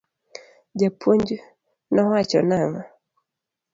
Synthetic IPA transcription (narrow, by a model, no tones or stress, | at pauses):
d͡ʒapʰuɲd͡ʒu | nɔwat͡ʃɔ̰naŋa